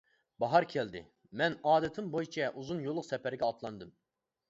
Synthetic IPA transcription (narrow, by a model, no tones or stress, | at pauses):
bɑɦɑɾkʲʰɛld̪ɪ̰ | mɛnɑːd̪ɛt̪ʰɪmbojit͡ʃʰɛʔuzunjolˠʊqsɛpæɾɪɡʲɛɑt̪lˠɑnd̪ɨm